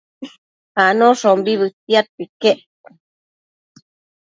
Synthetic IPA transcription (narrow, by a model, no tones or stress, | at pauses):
hanõʂombiβɨt̪iat̪̚pike